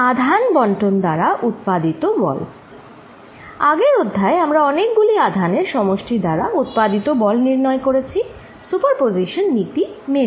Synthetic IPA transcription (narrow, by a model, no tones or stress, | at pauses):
ad̪ʱanbɔɳʈond̪aɾaʔut̪̚pad̪it̪obɔ̰l | aɡeɾod̪ʱːaeamɾaɔnek̚ɡuliad̪ʱaneɾʃɔmoʃʈʰid̪aɾaut̪̚pad̪it̪obɔlniɾnɔekoɾet͡ɕʰi | supaɾpoziʃonːit̪ime